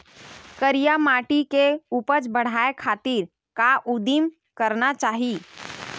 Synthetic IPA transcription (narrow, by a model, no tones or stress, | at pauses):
kəɾijamaːʈikeuːpət͡ʃbəɽ̤aːekʰaːt̪iɾ | kaʔud̪im | kəɾnat͡ʃaːɦi